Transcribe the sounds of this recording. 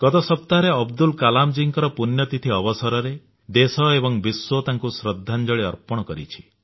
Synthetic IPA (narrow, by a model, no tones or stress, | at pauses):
ɡ̥ɔt̪ɔsɔpt̪aɾeɔbd̪ulkalamd͡ʒiŋkɔɾɔpunjɔt̪it̪ʰiɔbɔsɔɾɔɾe | d̪esɔebɔŋbiswot̪aŋkusɾɔd̪ʱːand͡ʒɔɭiɔɾpɔɽ̃ɔkɔɾḭt͡ʃʰi̥